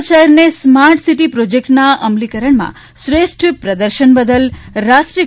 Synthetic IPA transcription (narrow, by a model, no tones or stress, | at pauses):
t͡ʃaɾnesmaɾʈsiʈipɾod͡ʒekʈnaʔəmlikəɾəɳmã̰ | ʃʋeʃʈpɾəd̪əɾʃənbəd̪əlɾaʃʈɾi